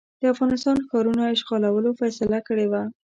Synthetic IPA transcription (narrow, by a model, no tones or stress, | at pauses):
d̪̥əafɣɑnɪst̪ɑnxɑɾunaɪʃɣɑlawəlofasɪlakəɽewa